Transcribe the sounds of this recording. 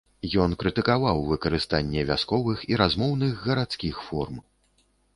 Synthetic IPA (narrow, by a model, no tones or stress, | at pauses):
jɔnkɾɨt̪ɨkavawvɨkɐɾɨst̪anʲːɛvʲaskɔvɨxiɾazmɔwnɨɣɣɐɾat̪skʲixfɔrm